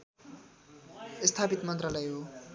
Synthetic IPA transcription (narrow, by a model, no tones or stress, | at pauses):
st̪ʰapit̪mʌnt̪rʌlʌjɦo